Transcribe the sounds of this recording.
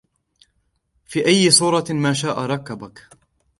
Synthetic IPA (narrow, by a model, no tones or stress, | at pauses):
fiːʔajːɪsˤuːɾˤɑmaːʃaːʔaɾˤɑkːabak